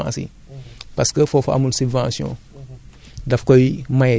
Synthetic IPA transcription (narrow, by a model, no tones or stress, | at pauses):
ã̰sḭ | paskəfofa̰munsivãsiõ̰ | dɐfkojmaj